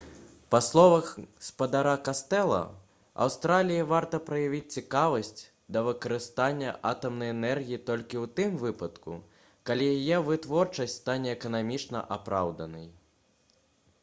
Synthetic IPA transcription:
paslˠɔvɐxspɐd̪aɾakast̪ɛlˠɐ̰ | a̰wst̪ɾalʲijivart̪ɐpɾɐjavʲit͡sʲt͡sʲikavɐsʲt͡sʲ | d̪ɐvɨkɐɾɨst̪anʲːɐ̰ʔat̪ɐmnɐjɛnɛrɣʲijit̪ɔlʲkʲiwt̪ɨmvɨpɐt̪kṵ | kalʲijajɛvɨt̪vɔrt͡ʂɐsʲtʲst̪anʲɛːkɐnamʲit͡ʂnɐ̰ʔapɾawd̪ɐnɐj

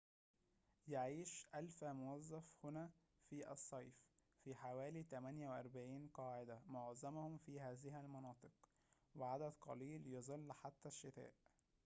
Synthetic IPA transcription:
jaʕiːʃʔælfmʊwæzˤːɑfhʊnæː | fiːʔɑ̰sˤːɑjf | fiħawæːliːt̪æmænjæweʔɑɾˤbaʕiːnqɑːʕed̪æmoʕzæmhʊmfiːhæːzɪhælmɑnɑːt̪ˤɨq | weʕad̪æd̪qʰɑ̰liːljɑzˤɑlːħat̪ːæʃːɪt̪æ̰ːʔ

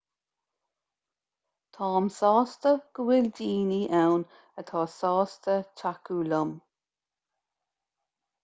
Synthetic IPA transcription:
t̪ʰɑːmsɔːst̪əɡ̥əwɪldiːniʔɛwn | ət̪ʰɑːsɔːstət͡ʃʰakulʊm

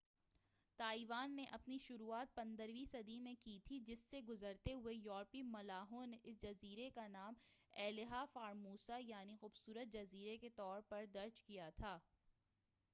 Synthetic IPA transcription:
t̪aːiʋaːnːeʔɐpniʃʊɾuːaːt̪̚pɐ̃nd̪əɾʋiːsɐd̪imẽkit̪ʰid͡ʒɪsːeɡʊzəɾt̪eɦʊejɔːɾpimɐlaːɦõneʔɪs̬d͡ʒɐziːɾekanaːmɛːlɪɦafaːɾmuːsajaːnixuːbsuːɾət̪̚d͡ʒɐziːɾeket̪ɔːɾpɐɾd̪ɐɾd͡ʒkijat̪ʰaː

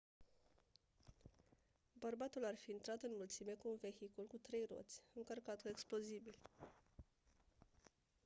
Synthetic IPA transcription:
bərbat̪ularfiɨnt̪ɾat̪ɨnmult̪sime̞kuːnve̞çikulkut̪ɾe̞jro̞̰t̪sʲɨŋkərkat̪kueksplo̞zibil

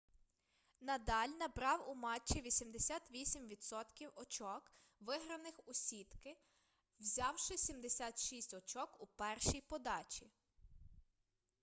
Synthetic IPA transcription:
nɐd̪ɑlʲnɐbɾɑwʊmɑt͡ʃːiʋʲisʲimd̪esʲɑt̪ʋʲisʲimʋʲid̪sɔt̪kʲiwɔt͡ʃɔk | ʋɪɦɾɐnɪxʊsʲit̪kɪ | wzʲɑwʃɪsʲimd̪esʲat̪ʃisʲtʲɔt͡ʃɔkupɛrʃijpɔd̪ɑt͡ʃʲi

